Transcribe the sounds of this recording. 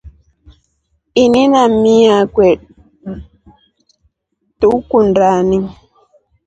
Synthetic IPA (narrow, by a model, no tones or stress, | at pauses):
ininamiakwɛɗ̚ | tukundaniŋ